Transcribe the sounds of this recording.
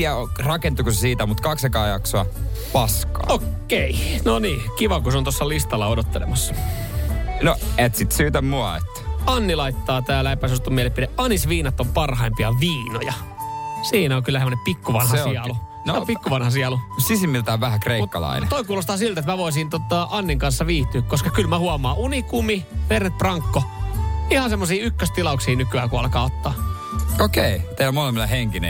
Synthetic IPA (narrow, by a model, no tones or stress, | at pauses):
iæorɑkent̪ːukusesiːt̪æmut̪kɑksekɑːjɑksoɑpɑskɑ̰ːokː | einoniːkiʋɑkuseont̪osːɑlist̪ɑlːɑodot̪ːelḛmɑsːɑ̥ | noet̪sit̪syːt̪æmmuɑ̰ḛt̪ːæ̥ɑnːilɑit̪ːɑːt̪æːlæipːæsust̪omielepideʔɑnisʋiːnɑt̪ːompɑrɦɑimpiɑʋiːnojɑsiːnæoŋkylːæsemːonempikːuʋɑnhɑsiɑlu | nsoeompikːuʋɑnhɑsiɑlusisimːilt̪æoʋʋæhækreimutkːɑ̰lɑ̰inetoikuːlost̪ɑːsilt̪et̪mæʋoisint̪ot̪ɑːʔɑnːiŋkɑnsːɑʋiːht̪yːkkoskɑkylmæhuɑmɑːʔunikumiʋerːet̪̚prɑŋkːoihɑsemːosiːykːøst̪ilɑuksiːnykyæːkuɑlkɑːot̪ːɑː | okeit̪eilomolemːileheŋkinḛ